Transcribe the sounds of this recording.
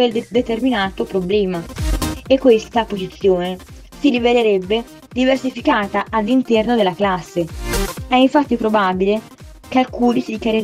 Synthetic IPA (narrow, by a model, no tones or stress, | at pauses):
eld̪et̪erminaːt̪opɾoblɛːmaekːwest̪apozit̪sːjoːne | siliveleɾebːe | d̪iversifikaːt̪aʔalːint̪ɛrnod̪elːaklasːeɛiɱfat̪ːipɾobaːbile | kalkuːnisid̪ikaɾe